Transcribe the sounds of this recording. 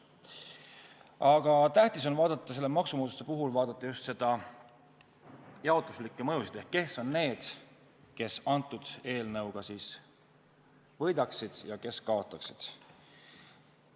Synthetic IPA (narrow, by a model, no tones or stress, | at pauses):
ɑɡ̥ɑt̪æht̪iso̞nvɑːd̪ɑt̪ˑːɑs̬e̞lːemɑksumoːt̪u̥st̪epuɦulvɑːd̪̥ɑt̪ːˑɑjust̪se̞d̪̥ɑ | jɑot̪ːˑuslikːˑemɤjusid̪̥e̞hkːe̞hsːo̞nːne̞ːd̪̥ | ke̞sɑnt̪ːˑud̪̥e̞ːlnɤwɡ̥ɑsiːs | vɤ̞jd̪̥ɑksid̪̥jɑke̞skɑot̪ːˑɑksid̪̥